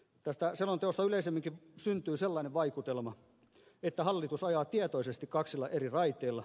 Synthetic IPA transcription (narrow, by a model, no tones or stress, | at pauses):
t̪æst̪æselːont̪eost̪ɑyleisemːiŋkiʋsynt̪yːselːɑineʋʋɑikut̪elmɑ | et̪ːæhɑlːit̪usɑjɑːt̪iæt̪oisest̪ikkɑksilːɑʔerirɑit̪ˑeːlːɑ